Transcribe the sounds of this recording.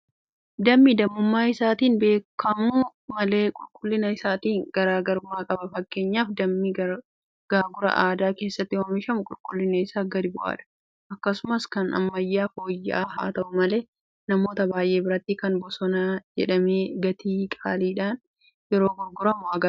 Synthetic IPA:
d̪ɐmːid̪ɐmːʊmːaːɪsaːt̪iːnbe̞ːkːɐmʊʊmɐle̞ːkʼʊlkʼʊlːɪnɐɪsaːt̪iːŋɡ̥ɐɾaːɡɐɾʊmaːkʼɐbɐfɐkːe̞ːɲːaːfd̪ɐmːi | ɡ̥aːɡʊɾɐ̰ʔaːd̪aːke̞ːsːɐt̪ːɪwɐmɪʃɐmʊkʼʊlkʼʊlːɪnɐɪsaːɡɐd̪ɪbʊʔa̰ːᶑɐ̥ | ʔɐkːɐsʊmɐskɐnɐ̰mːɐjːaːfoːjːɪ̰ʔaːɦa̰ːt̪ɐʔʊmɐle̞ː | nɐmo̞ːt̪ɐbaːjʔe̞ːbɪɾɐt̪ːikɐnbɔsɔnaːd͡ʒɛ̰ᶑɐmeːɡɐt̪ʰiːkʼa̰ːliːᶑaːn | jɛɾo̞ːɡʊɾɡʊɾɐmʊɐɡɐ

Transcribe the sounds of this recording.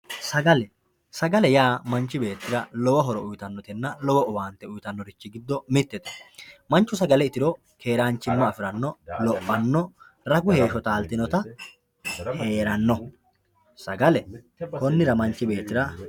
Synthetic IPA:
sɐɡɐlɛ | sɐɡɐlɛjaːmɐnt͡ʃːɪbe̞ːt̪ːɪɾɐlɔwɐɦɔɾɔʊjt̪ɐnːɔt̪ɛnːɐlɔwɔʊwaːnt̪ːɛʊjt̪ɐnːɔɾɪt͡ʃːɪɡɪd̪ːɔmɪt̪ːɛt̪ɛ̥mɐnt͡ʃːʊsɐɡɐlɛɪt̪ɪɾɔ | ke̞ːɾaːnt͡ʃːɪmːɐːfɪɾɐnːɔlɔpʼːɐnːɔ | ɾɐɡʊhe̞ːʃɔt̪aːlt̪ɪnɔt̪ɐ | he̞ːɾɐnːɔ | sɐɡɐlɛ | kɔnːɪɾɐmɐnt͡ʃːɪbe̞ːt̪ːɪɾɐ

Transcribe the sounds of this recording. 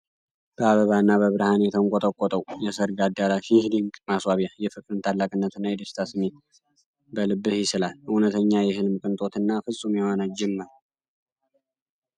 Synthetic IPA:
b̥əaβəβanːaβəβɨɾhanɛt̪ʰəŋkʼɔt̪ʼəkʼɔt̪ʼəwjɛsəɾɡad̪aɾafihd̪iŋkmaswaβjajɛfɨkʼɾɨnt̪ʰalːakʼɨnːət̪ɨnːajɛd̪əst̪ʰasɨme | bəlɨbːɨhjɪsɨlalunət̪ʰəɲːajɛhɨlmkʼɨnt̪ʼo̞t̪ɨnːafɨsʼumjewanad͡ʒɛmːɨɾ

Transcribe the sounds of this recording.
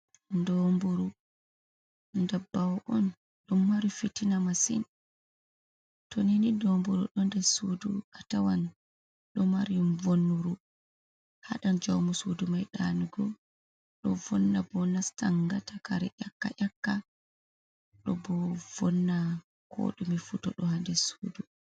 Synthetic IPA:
ndɔmbuɾu | ndɛbːawʔɔn | ɗumːaɾifitinamasḭn | toninidɔmbuɾṵɗɔndɛsudṵatawan | ɗɔmaɾivonːuɾu | ha̰ɗand͡ʒawmusudumajɗanuɡɔ | ɗɔvɔnːabɔnastaŋɡatakaɾɛʔakːa̰ʔakːa | ɗɔbɔvɔnːa | kʰo̰ɗumifutɔ̰ɗɔhandɛsuːdu

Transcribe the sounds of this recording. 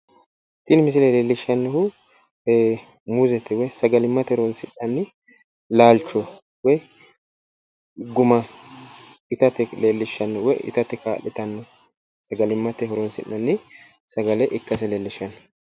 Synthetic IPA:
t̪ːɪnmɪs̬ɪlɛleːlːɪʃːɐnːɔhʊ | muzɛt̪ːɛwɛjsɐɡɐlɪmːɐt̪ɛhɔɾɔnsɪnːɐnːɪ | laːlt͡ʃːɔ | wɛ | ɡʊmɐ | ɪt̪ɐt̪ɛleːlːɪʃːɐnːɔwɔjɪ̰t̪ɐt̪ːɛkaːlːɪt̪ɐnːɔ | sɐɡɐlɪmːɐt̪ɛɦɔɾɔnsɪ̰nːɐnːɪ | sɐɡɐlɛʔɪkːɐs̬ɛleːlːɪʃɐnːɔ̥

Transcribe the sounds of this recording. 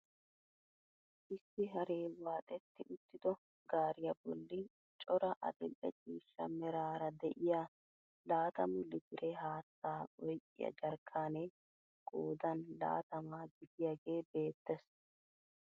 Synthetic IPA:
ʔɪsːɪɦɐɾeːwaːt̪ʼɛt̪ːɪʔʊt̪ːɪd̪ɔ | ɡaːɾɪjɐbɔlːɪ | t͡ʃʼɔɾɐʔɐ̰d̪ɪlːɛ̰t͡ʃʼiːʃːɐ̰mɛɾaːɾɐd̪ɛʔɪjaː | laːt̪ɐmʊlːɪd̪ɪɾeɦaːt̪ːaːʔɔjkʼɪ̰jɐ̰d͡ʒɐɾkʰːaːneː | ɡʼoːd̪ɐnla̰ːt̪ɐmaːɡɪd̪ɪjaɡe̞ːbe̞ːt̪ːɛs

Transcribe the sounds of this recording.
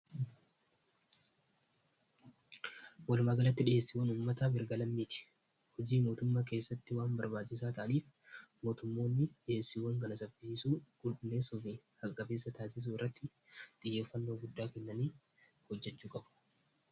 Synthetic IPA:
wɐlmaːɡɐlɐt̪ːɪᶑɪeːsːɪwɐnuːmːɐt̪abɪɾɡɐlɐmːiːt̪ɪ̥ | hɔd͡ʒiːmo̞ːt̪ʊmːaːke̞ːsːɐt̪ːɪwaːmbɐɾbaːt͡ʃːɪs̬aːt̪ɐʔɐniːf | mo̞ːt̪ʊmːo̞ːnːɪɗɪje̞ːsːiwɐŋɡɐlɐsɐfɪsiːsuːɡʼʊlɪnːe̞ːsɔbiːhɐkʼːɐbe̞ːsːɐt̪aːsɪs̬uːɪrːɐt̪ːɪ | t̪ʼɪjːeːfːɐnːo̞ːɡʊd̪ːaːkɛnːɐniː | hɔd͡ʒːɛt͡ʃːuːkʼɐbʊ̥

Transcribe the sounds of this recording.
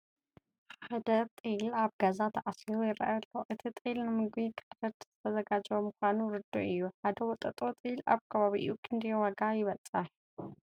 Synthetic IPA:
ħad̪ɐt̪ʼɨlaβɡazat̪ʰɐʔasiɾojɪɾɐ̰ʔaɐlːoʔɨt̪ʰit̪ʼɨlnɨmɨɡbikʰɨd̪ɐd̪z̥ɨt̪ʰɐzɐɡad͡ʒβomɨxʷanuɾɨd̪o̰ʔɨjːuħad̪ɐwɔt̪ʼɐt̪ʼot̪ʼɨla̰βkʰɐβaβiʔɨ̰jukʰɨnd̪ɐjowɐɡajɪβɐt͡sʼɨħ

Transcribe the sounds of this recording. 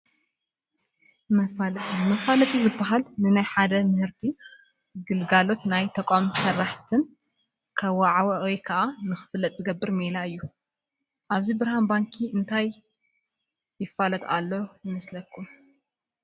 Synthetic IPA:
mɐfalʼmɐfalɐt̪ʼizɨbːaɦalnɨnajħad̪ɐmɨhɨɾt̪ʰi | ɡɨlɡalo̞t̪najt̪ʰɐkʷʼamsɐrːaħt̪ʰɨn | kʰaβwaʕawʔojkʰɐʔanɨxɨ̥fɨlːɐt̪ʼzɨɡɐbːɨɾmelaɨjːu | ʔaβzibɨɾhanbaŋkʰiɨnt̪ʰaj | ɪfːalɐt̪a̰lːo̞jɨmɐslɐkʰːum

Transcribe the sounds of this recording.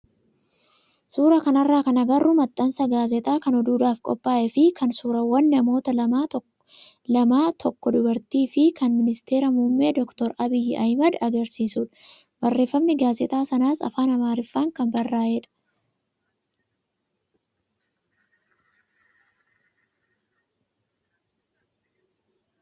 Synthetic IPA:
suːɾɐkɐnɐrːaːkɐnɐɡɐrːʊmɐt̪ʼːɐnsɐɡaːzɛt̪ʼaːkɐnɔd̪uːd̪aːfkʼɔ̰pʼːaːʔɛfɪkʰɐnsuːɾɐwɐnːɐmo̞ːt̪ɐlɐmaː | lɐmaːt̪ʰɔkːɔd̪ʊbɐɾt̪iːfɪkɐnmɪnɪst̪e̞ːɾɐmumːe̞ːd̪ɔkt̪ɔɾɐbɪjɪʔɐjmɐd̪ɐɡɐɾsiːsuːᶑɐ̥bɐrːe̞ːfːɐmnɪɡaːzɛt̪ʼaːsɐnaːsɐ̰faːnɐmaːɾɪfːaːŋkɐmbɐrːaːʔɛᶑɐ̥

